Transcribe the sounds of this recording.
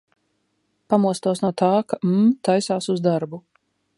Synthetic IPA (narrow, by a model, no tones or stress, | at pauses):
pamuɔst̪uɔsnuɔt̪aːkam̩t̪ajsaːsuzd̪aɾbu